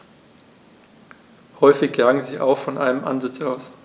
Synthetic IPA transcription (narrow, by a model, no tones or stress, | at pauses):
hɔʏfɪç̥aŋəziːʔa̰ʊxfɔnʔaɪnəmʔa̰nzɪt͡saʊs